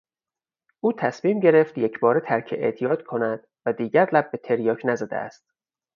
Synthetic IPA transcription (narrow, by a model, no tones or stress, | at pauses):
ʔuːt̪ʰæsmiːmɟe̞ɾe̞ft̪je̞cʰbɒːɾet̪ʰæɾcʰeʔḛʔt̪ʰijɒːt̪kʰonæd̪̥ | væd̪iːɟæɾlæb̚ːe̞t̪ʰe̞ɾjɒːcʰnæzæd̪ḛæ̰st̪̚